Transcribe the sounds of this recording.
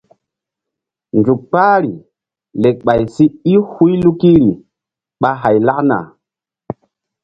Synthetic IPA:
nd͡zu˨k̚k͡paː˦ɾi˨ | le˨k̚ɓa˨jsi˦i˦hu˦jlu˦ki˦ɾi˨ | ɓa˦ɦa˨jla˦kna̰˨

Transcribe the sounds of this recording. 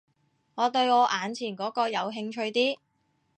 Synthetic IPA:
ŋɔː˨˧t̪ɵ˧ɥɔː˨˧ʔaː˨˧nt͡sʰiː˨˩nkɔː˨˥kɔː˧jɐ˨˧wɦɪ˧ŋt͡ʃʰɵ˧ɥt̪iː˥

